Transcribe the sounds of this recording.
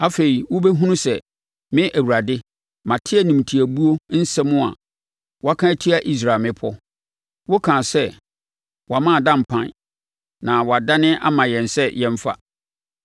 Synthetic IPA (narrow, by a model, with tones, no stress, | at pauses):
a˨fe˨i˨wʊ˦be˦ɦũ˦nũ˦sɛ˨ | mɪ̃˦ʔæ˨wu˨ɾa˨dɪ˦ | mã˨tʰɪ˦ɛ˦nĩ˨m˨tʰi˨æ˨bu˦o˦n̩˦sɛ˦mʊ̃˦a̰˨ | wɔ˦a˦kʰã˦æ˦tʰi˦a˨ʔi˦s̬ɾaː˨lmɪ̃˦pʰɔ˦ | wo˦kʰã˨sɛ˦ | wɔ˨a˨mã˦˨dã˦˨m̩˨pʰã˦n | nã˨wɔ˨a˨da˦nɪ̃˦ʔa̰˦mã˨jɛ̃˨nsɛ˦jɛ̃˦m˦fa̰˦